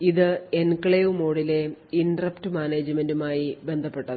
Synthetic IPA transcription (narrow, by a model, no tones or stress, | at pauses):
iðɨenkɐɭejumoːɽile̞indrɐptɨmaːneːd͡ʑɨmendumaːjibe̞nd̪ʱɐpːe̞ʈːɐðɨ